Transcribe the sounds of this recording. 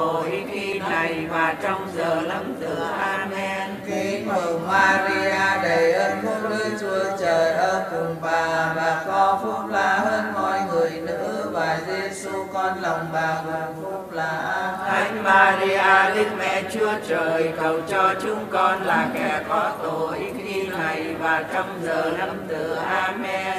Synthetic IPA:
o˨˩jxi˧na˨˩jvaː˨˩t͡ɕɔ˧wŋ͡mzəː˨˩na˧mzɨ˨˩əʔaː˧m˧ɛ˧nki˨˦mə˨˩maː˧zi˧aː˧ɗə˨˩jʔəː˧nfu˧˥ŋ͡mɗɨ˧jt͡ɕu˧ət͡ɕəː˨˩jʔəː˧kʊ˨˩ŋ͡mɓaː˨˩vaː˨˩kɔ˨˦fu˦˥p̚laː˧˥həː˧nmɔ˧jŋɨ˨˩əjnɨ̰˧˥vaː˨˩jzi˧su˧kɔ˧nlɔ˨˩wŋ͡mɓaː˨˩zʊ˨˩fu˦˥p̚laː˧˩ʔa˧jŋ̟maː˧zi˧aː˧li˦˧˥ək̚mɛ̰˧˥t͡ɕɨ˧ət͡ɕəː˨˩jkə˨˩wt͡ɕɔ˧t͡ɕʊ˧˦ŋ͡mkɔ˧nlaː˨˩kɛ˧˩kɔ˨˦t̪o˧˨˩ʔi˨˦˥t̚ʔi˧na˨˩jvaː˨˩t͡ɕɔ˧wŋ͡mzəː˨˩na˧mt̪ɨ˨˩ʔaː˧mɛ˧

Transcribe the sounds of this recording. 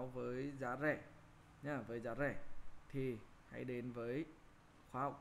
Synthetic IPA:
wvəː˨˦jzaː˨˦zɛ˧˩ | ɲaː˧˩vəː˨˦jzaː˨˦zɛ˧˩t̪ʰi˨˩ha̰˧˥jɗe˨˦nvəː˨˦j | xwaː˨˦ha˨˩wk͡p̚

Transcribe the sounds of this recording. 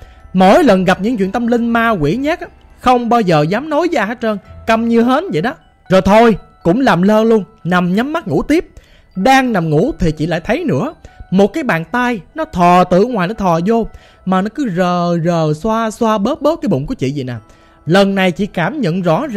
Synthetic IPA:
mo̰˧˥jlə˨˩nɣa˨˩p̚ɲɨ̰˧˥ŋt͡ɕw̰i˧˨ənt̪ə˧mlï˧ŋmaː˧kwḭ˧˩ɲa˦˥k̚a˨˦ | xə˧wŋ͡mɓaː˧wzəː˨˩zaː˨˦mno˨˦jzə˧haː˨˦˥t͡ɕəː˧nkə˧mɲɨ˧ɦe˨˦˥t̚və̰˧˨jɗɔ˨˦ | zo˨˩jt̪ʰo˧jkʊ̰˧˥ŋ͡mlaː˨˩mləː˧lu˧ənna˨˩mɲa˨˦mːa˦˥t̚ŋṵ˧˥t̪i˦˥əp̚ | ɗaː˧ŋna˨˩mŋṵ˧˥t̪ʰi˨˩t͡ɕḭ˧˨la̰ː˧˨jt̪ʰə˨˦jnɨ̰˧˥əmo˨˩t̚kaː˨˦jɓa̰ː˧˨nt̪a˧jnɔ˨˦t̪ʰɔ˨˩t̪ɨ̰˧˨ŋwaː˨˩jnɔ˨˦t̪ʰɔ˨˩zo˧ | maː˨˩nɔ˨˦kɨ˨˦zəː˨˩zəː˨˩swaː˧swaː˧ɓəː˦˥t̚ɓəː˦˥t̚kaː˨˦jɓʊ̰˧˨ŋ͡mku˨˧˦ət͡ɕḭ˧˨zi˨˩naː˨˩ | lə˨˩nːa˨˩jt͡ɕḭ˧˥kaː˧˩mɲə̰˧˨nzɔ̰˧˥z

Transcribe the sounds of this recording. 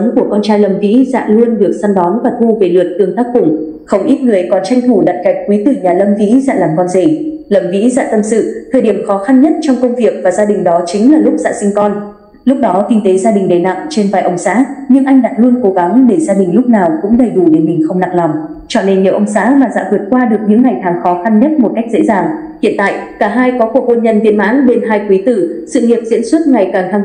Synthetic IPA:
ə˨˦ŋku˧˩əkɔ˧nt͡ɕaː˧jlə˧˩mvḭ˧˥za̰ː˧˨lu˧ənɗɨ˨˩ək̚sa˧mɗɔ˨˦nvaː˨˩t̪ʰu˧ve˨˩lɨ˨˩ət̚t̪ɨ˧˩əŋt̪aː˦˥k̚kʊ˧˩ŋ͡m | xə˧˩wʔi˦˥t̚ŋɨ˨˩əjkɔ˨˩nt͡ɕa˧jŋ̟t̪ʰu˧˩ɗa̰ː˧˨jka˨˩jk̟̚kwi˨˦t̪ɨ˨˩ɲaː˨˩lə˧mvḭ˧˥za̰ː˧˥laː˨˩mkɔ˧nze˧˩ | lə˧˩mvḭ˧˥za̰ː˧˥t̪ə˧msɨ̰˧˨t̪ʰəː˨˩jɗi˧˩əmxɔ˨˦xa˧nɲə˦˥t̚t͡ɕɔ˧wŋ͡mkə˧wŋ͡mvi˨˩ək̚vaː˨˩zaː˧ɗï˨˩ŋ̟ɗɔ˨˦t͡ɕï˨˦ŋ̟laː˨˩lʊ˦˥k͡p̚za̰ː˧˥sï˧ŋ̟kɔ˧n | lʊ˦˥k͡p̚ɗɔ˨˦kï˧ŋ̟t̪e˨˦zaː˧ɗï˨˩ŋ̟ɗə˨˩jna̰˧˨ŋ͡mt͡ɕe˧nva̰ː˧˨jʔə˨˧wŋ͡msa̰ː˧˥ɲɨ̰˧ŋʔa˧jŋ̟ɗa̰ː˧˥lu˧ənko˨˦ɣa˨˦ŋɗe˧˩zaː˧ɗï˨˩ŋ̟lʊ˦˥k͡p̚naː˨˩wkʊ̰˧˥ŋ͡mɗə˨˩jɗu˧˩ɗe˨˩˦mï˨˩ŋ̟xə˧wŋ͡mna˨˩ŋ̚lɔ˨˩wŋ͡m | t͡ɕɔ̰˧˨ne˧nɲi˨˩wʔə˧wŋ͡msa̰ː˧˥maː˨˩za̰ː˧˥vɨ˨˩ət̚kwaː˧ɗɨ˨˩ək̚ɲɨ̰˧˥ŋːa˨˩jkaː˨˩ŋxɔ˨˦xa˧nɲə˦˥t̚mo˨˩t̚ka˦˥jk̚zḛ˧˥zaː˨˩ŋ | hḭ˧ənt̪a̰ː˧˨jkaː˧˩ɦaː˧jkɔ˨˦ku˨˩ək̚ːo˧nɲə˧nvi˧ənma̰ː˧˥nɗe˧nɦaː˧jkwi˨˦t̪ɨ̰˧˩sɨ̰˧˨ŋi˨˩əp̚zḭ˧˥nswə˦˥t̚ŋa˨˩jkaː˨˩ŋt̪ʰa˧ŋ

